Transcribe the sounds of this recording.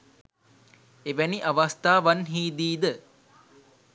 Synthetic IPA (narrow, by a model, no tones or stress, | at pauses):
eʋæniʔaʋast̪aːʋanɦiːd̪iːd̪ə